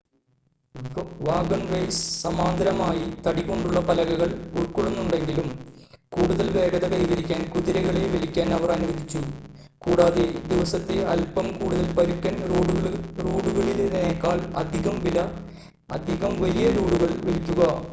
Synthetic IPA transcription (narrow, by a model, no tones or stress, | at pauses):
ʋaːɡɐɳrɐjssɐmaːnd̪ɐɾɐmaːjit̪ɐɽikʲːo̞ɳɖuɭːɐpɐlɐɣɐɣɐɭuɭkoɭunːuɳɖe̞ŋɡilumkuːɽuðɐlʋe̞ːɡɐðɐkɐjiʋɐɾikʲːaːnkuðiɾɐɣɐɭeʋelikʲːaːnɐʋɐrɐnuʋɐd̪it͡ɕːu | kuːɽaːðed̪iʋɐsɐt̪ːeɐlpɐmkuːɽuðɐlpɐɾukːɐnːɽɐruːɽuɣɐɭilneːkːaːɭɐ̰d̪ʱiɣɐmʋilɐ | ɐd̪ʱiɣɐmʋɐlijɐɾuːɽuɣɐɭʋelikʲːuɣɐ